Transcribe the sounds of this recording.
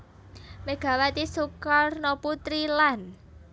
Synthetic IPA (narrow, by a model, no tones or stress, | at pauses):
meɡ̥ä̤wat̪isukɔrnɔput̪ɾilan